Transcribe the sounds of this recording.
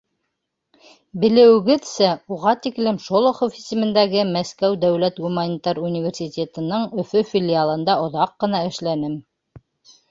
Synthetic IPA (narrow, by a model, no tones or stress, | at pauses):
bɘ̆lɘ̆wɘ̆ɡɘðsæuʁɑt̪iklɘmʃolˠŏχofi̥sɘ̆mɘ̆nd̪æɡɘmæskæwd̪æwlæt̪ɡumanʲit̪ɑɾunʲivʲerʲsʲit̪ʲet̪ɤ̆nɤɴɵ̆fɵfʲilʲɪalˠɤ̆nd̪ɑŏðɑqːɤ̆nɑɘ̆ʃlænɘm